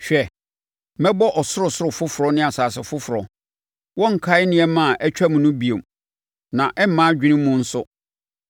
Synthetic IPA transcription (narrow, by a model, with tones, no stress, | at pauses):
ɕᶣɛ˨ | mɛ̃˦bɔ˦ʔɔ˨sʊ˦ɾʊ˨sʊ˦ɾʊ˨fʊ˦fʊ˨ɾɔ˦nɪ̃˦a˨saː˨sɪ˨fʊ˦fʊ˨ɾɔ˨ | wɔ̃˦ŋ̩˨kʰa˦ɪ˦nɪ̃˨˦ɛ˦mã˦˨ʔɛ˦t͡ɕᶣa˦mʊ̃˨nʊ̃˦bi˨o˨m | nã˨ʔɛ˦m̩˦mã˦d͡ʑᶣi˦nɪ̃˦mʊ̃˦n̩˦sʊ˦